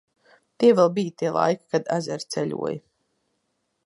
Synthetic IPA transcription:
t̪iɛvɛlˠbijt̪iɛlˠa̰jki̥kad̪a̰zɛɾt̪sɛlʲṵɔj

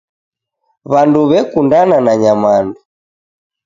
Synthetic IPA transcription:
βanduβɛkundananaɲamandu

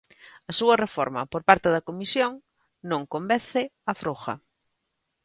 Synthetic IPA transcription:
ɐsuɐrefɔɾmɐpoɾpaɾt̪eðɐkomisjoŋ | nõŋkombɛθɪɐfɾoxɐ̰

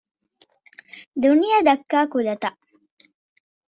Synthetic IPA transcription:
d̪unijɐd̪ɐkːaːkulɐt̪ɐ

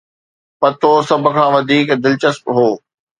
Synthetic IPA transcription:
pɐt̪ʰosɐbʱʊ̆kʰãːʋɐd̪ʱiːkd̪ɪlt͡ɕəspɦoː

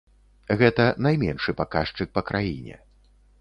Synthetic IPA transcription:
ɣɛt̪ɐnajmʲɛnʂɨpakaʂt͡ʂɨk̚pɐkɾʔajinʲɛ̰

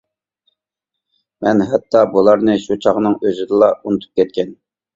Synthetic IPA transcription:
mɛnɦɛt̪ʰːɑbulˠɑɾnɨʃut͡ʃʰɑʁnɨŋøzɪd̪ɨlˠɑʔunɨt̪ʰu̥p̚kʲʰɛt̪kʲɛn

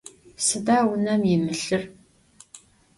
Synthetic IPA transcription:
sɨdaːwʊnɐmjɪmɨɬɨr

